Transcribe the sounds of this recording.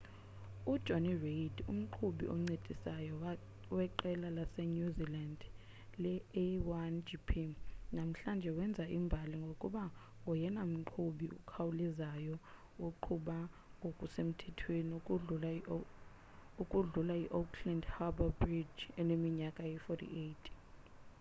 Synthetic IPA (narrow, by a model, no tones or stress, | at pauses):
ud̥ʒ̥ʱonirejdṵm̩ǃʰuɓḭʔɔ̰ŋ͡ǀed̥ʱisajɔ | wɛǃɛlalasɛɲuziland | lɛɛwand͡ʒipʰinam̩ɬand͡ʒʱɛwɛnd͡zʱaʔimbʱaliŋɡʱokʼuɓa | ɔjɛnam̩ǃʰuɓiṵkʰawulizajɔ | uǃʰuɓa | okʼusem̩tʰɛtʰweniukʼuula | ukʼuɮulaiʔokʰlandhababrid͡ʒɛlemiɲakʼajifɔtʰḭʔetʰ